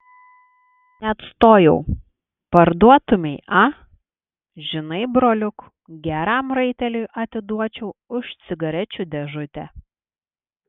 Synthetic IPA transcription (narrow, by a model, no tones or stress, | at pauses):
nʲɛɐt̪st̪oːjɛʊ | pɐɾd̪uɔt̪ʊmʲɛɪʔɑ | ʒʲɪnɐɪbɾoːlʲʊk | ɡʲæːɾɑˑmɾɐɪt̪ʲɛlʲʊjʔɐt̪ʲɪd̪uɔt͡ʃʲɛʊʊʃt̪sʲɪɡɐɾʲɛt͡ʃʲuːd̪ʲɛʒʊt̪ʲɛ